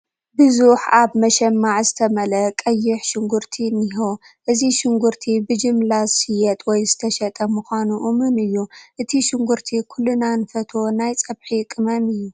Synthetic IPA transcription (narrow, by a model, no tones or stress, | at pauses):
bɨzuħaβmɐʃɛmːaʕzɨt̪ʰɐmɐlɐkʼɐjːɪħʃɪŋɡʊɾt̪ʰiniɦo | ʔɨziʃɪŋɡuɾt̪ʰibɨd͡ʒɨmlazɨsɨjɛt̪ʼwɔjzɨt̪ʰɐʃɐt̪ʼɐmuxʷanuʔumɨnɨjːuʔɨt̪ʰiʃɪŋɡuɾt̪ʰikʰulːunanɨfɐt̪ʰo̞najt͡sʼɐβħikʼɨmɐmɨjːu